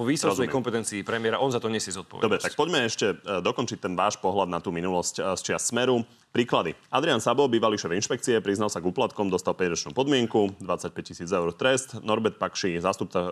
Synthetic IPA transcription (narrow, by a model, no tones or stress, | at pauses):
ɔʋiːsɔɔzuɛjɛkɔmpɛt̪ɛnt͡siːpɾɛmɪɛɾaʔɔnzat̪ɔɲɛsjɛzɔt̪̚pɔ̰ʋɛ̰d̪ɔbɾɛt̪ak̚pɔɟmɛɛʃcɛd̪ɔkɔnt͡ʃic̚t̪ɛnʋaːʃpɔɦlad̪nat̪uːminulɔscst͡ʃɪassmɛɾu | pɾiːklad̪iad̪ɾiansabɔbiːʋaliʃɛvinʃpɛkt͡siɛpɾiznalsaɡuːplat̪kɔmd̪ɔst̪alpɛɟɾɔt͡ʃnṵːpɔd̪mɪɛŋkud̪ʋat͡sac̚pɛc̚cisiːd͡zɛʊɾt̪ɾɛst̪nɔɾbɛt̪̚pakʃizaːst̪up̚t͡sa